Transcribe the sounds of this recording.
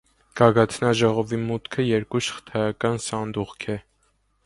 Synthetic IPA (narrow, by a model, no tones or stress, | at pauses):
ɡ̥ɑɡɑt̪ʰnɑʒɔʁɔvimut̪kʰəjɛɾkuʃə̥χt̪ʰɑjɑkɑnsɑnd̪uʁkʰɛ